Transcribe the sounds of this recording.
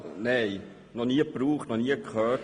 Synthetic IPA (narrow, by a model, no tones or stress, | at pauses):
nɛɪj | nɔniəpɾuːχtnɔniəkχœː